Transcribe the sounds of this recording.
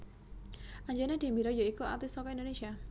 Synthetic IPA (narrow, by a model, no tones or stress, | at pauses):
ʔaɲd͡ʒanɛd̪̥e̤mbiɾɔjɔikuat̪isɔkɔindonesia